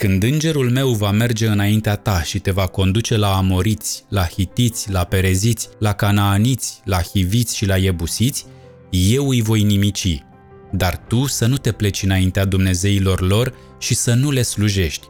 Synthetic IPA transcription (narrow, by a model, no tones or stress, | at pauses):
kɨnd̪ɨnd͡ʒe̞ɾulme̞wvame̞rd͡ʒe̞ɨnaint̪eat̪aʃit̪e̞vako̞nd̪ut͡ʃe̞laːmo̞ɾit̪sʲlahit̪it̪sʲlape̞ɾe̞zit̪sʲlakanaːnit̪sʲlahivit̪sʲʃilajebusit̪sʲ | je̞wɨjvo̞jnimit͡ʃḭ | d̪art̪usənut̪e̞ple̞t͡ʃɨnaint̪ead̪umne̞ze̞ilo̞rlo̞r | ʃisənule̞sluʒe̞ʃt̪ʲ